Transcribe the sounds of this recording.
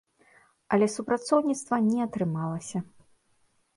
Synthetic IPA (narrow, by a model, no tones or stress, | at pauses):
ɐlʲɛsupɾat̪sɔwnʲit̪st̪vɐnʲɛat̪ɾɨmalˠɐsʲɐ